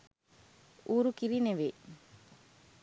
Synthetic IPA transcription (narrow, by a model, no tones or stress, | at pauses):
uːɾukiɾineʋe